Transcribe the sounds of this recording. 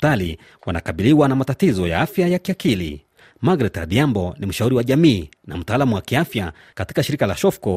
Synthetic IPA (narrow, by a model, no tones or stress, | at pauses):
tali | wana̰kaɓiliwanamatatizɔja̰afjajakiakilḭ | maɡɾɛta̰ɗiambɔnim̩ʃauɾiwaʄamiːna̰m̩taːlamuwakiafja | kati̥kaʃiɾikalaʃɔfkɔ